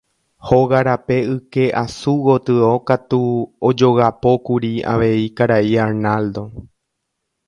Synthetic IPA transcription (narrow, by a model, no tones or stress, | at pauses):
ho̞ɣaɾape̞ɨke̞ʔasuɣo̞t̪ɨo̞kat̪uod͡ʒo̞ɣapo̞kuɾia̰ʋe̞ikaɾaiaɾnald̪o̞